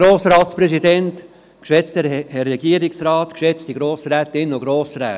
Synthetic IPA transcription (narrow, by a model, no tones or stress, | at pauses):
ɾoːsɾɑːtspɾɛsidɛnt | kʃɛt͡stɛhɛrːɛɡ̥iːəɾɪksɾɑːtkʃɛt͡stiɡɾoːsɾɛːt̪ɪnːoɡɾoːsɾɛː